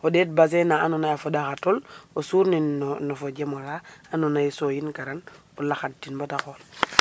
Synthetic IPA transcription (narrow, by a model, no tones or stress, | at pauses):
odet̚bas̬enaːnonajafodaxatolosuɾninnofod͡ʒemolaanonajisojinkaɾan | olaxat̚tːinbotaxol